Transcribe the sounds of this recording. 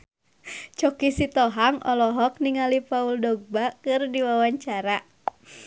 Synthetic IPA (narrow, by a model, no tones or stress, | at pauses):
t͡ʃɔkisit̪ɔɦaŋɔ̰lɔɦɔk̚niŋalipauldɔɡ̚bakɨrdiwawaɲt͡ʃaɾa